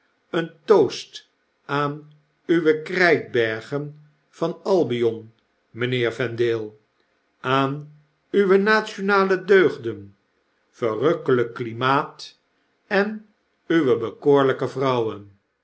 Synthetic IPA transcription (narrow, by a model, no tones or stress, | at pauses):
əntowst | aːn | yʋəkrɛjk̚bɛɹχən | v̥ɑnɑlˠbijɔn | məneːɹvɛndɪːlˠ | ʔaːn | yʋənaːtt͡ʃonaːlədøɥχdən | fərøkələkːlimaːt | ɛn | yʋəbəkoːɹləkəvrʌwən